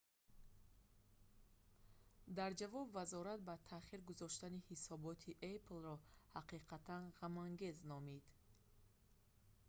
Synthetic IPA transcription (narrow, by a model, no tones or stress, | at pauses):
d̪aɾd͡ʒavɔbvazɔɾat̪̚bat̪ʰaχiɾɡuzɔʃt̪anihisɔbɔt̪ʰiʔepʰlrɔhaqiqʰat̪ʰanʁamaŋɡe̞znɔmid̪